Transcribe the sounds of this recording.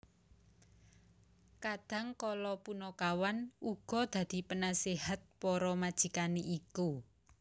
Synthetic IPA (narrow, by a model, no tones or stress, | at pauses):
kad̪̥ä̤ŋkɔlɔpunɔkawanuɡ̥ɔ̤d̪̥ä̤d̪̥i̤pənaseɦat̪̚pɔɾɔmad̥ʒ̥i̤kaneʔiku